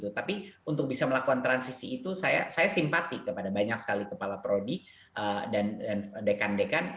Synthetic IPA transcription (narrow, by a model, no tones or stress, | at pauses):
t̪ut̪apiunt̪ʊk̚bisaməlakukant̪ɾansisiːt̪usaja̰sajasimpat̪ikəpadabaɲak̚sə̥kalikəpalapɾodi | ʔədandandekandekan